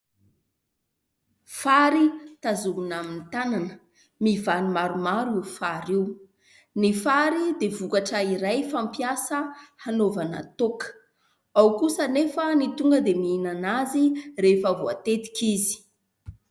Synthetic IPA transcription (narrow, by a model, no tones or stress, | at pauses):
faɾit̪azumunaminit̪ananə | mivanimaɾumaɾiufaɾiw | nifaɾid̪evukaʈ͡ʂəiɾajfampjasəhanovana̰t̪okə̥ | awkusənefənit̪uŋɡəd̪emiinanazirefəvoa̰t̪et̪i̥kizi̥